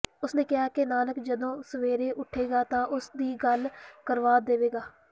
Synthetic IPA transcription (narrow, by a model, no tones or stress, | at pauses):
ʊsnẽːkɪɦaːkenaːləkd͡ʒəd̪õːsəʋeːɾeːʔʊʈʰːeːɡaːt̪ãːʔʊsd̪iːɡəlkəɾʋaːd̪eːʋeːɡaː